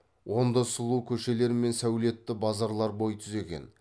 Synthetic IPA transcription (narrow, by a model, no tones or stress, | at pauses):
wʔo̞nd̪ɑsʊlˠukʲʰɵʃe̞le̞ɾɪme̞nsæwle̞t̪ːɪbɑzɑɾlˠɑɾbo̞jt̪ʰʏze̞ɡʲe̞̰n